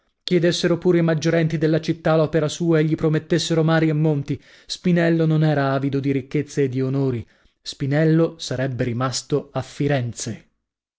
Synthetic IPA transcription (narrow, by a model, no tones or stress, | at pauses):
k̟jed̪esːeɾopuːɾeimad͡ʒːoɾɛnt̪id̪elːat͡ʃit̪ːalɔːpeɾasuːaeʎːipɾomet̪ːesːeɾomaːɾiemːont̪i | spinɛlːononɛːɾaaːvid̪od̪iɾikːet̪sːeːd̪ːionoːɾi | spinɛlːosaɾɛbːeɾimast̪oafːiɾɛnt̪se